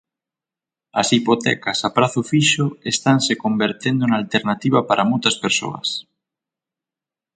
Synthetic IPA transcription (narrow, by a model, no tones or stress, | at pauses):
ɐsipot̪ɛ̰kasapɾaθufiʃoest̪ansekombeɾt̪end̪oeŋalt̪eɾnat̪iβapaɾʔamojt̪ɐspeɾso̰ɐ̰s